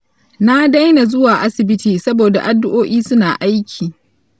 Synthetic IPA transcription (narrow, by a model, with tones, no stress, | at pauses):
na˦da˦jna˨zʊ˦waː˨ʔa˦sɪ˨bɪ˦tiː˨sɐ˦boː˨da̰˨ʔa˨dːʊ˦ʔoː˦ʔiː˦sʊ˦naː˨ʔa˦jkʲʰiː˨